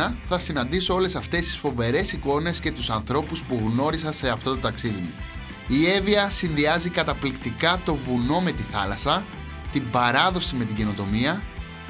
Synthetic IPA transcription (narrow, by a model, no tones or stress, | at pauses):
ɐθɐsinɐnd̪iso̞o̞le̞sɐft̪e̞st̪i̥sfo̞ve̞ɾe̞siko̞ne̞sce̞t̪usɐnθɾo̞puspuɣno̞ɾisɐnse̞ɐft̪o̞t̪ot̪ɐksiðimu | ie̞viɐsinðiɐzikɐt̪ɐplikt̪ikɐt̪o̞vuno̞me̞t̪iθɐ̰lɐsɐ | t̪ibɐɾɐðo̞sime̞t̪̬iɟe̞no̞t̪o̞miɐ